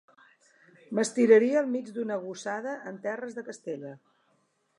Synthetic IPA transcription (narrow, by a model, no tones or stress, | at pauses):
məst̪iɾəɾiəːlˠmid͡ʒd̪unəɣusaðəʔənt̪ɛrəzðəkəst̪eʎə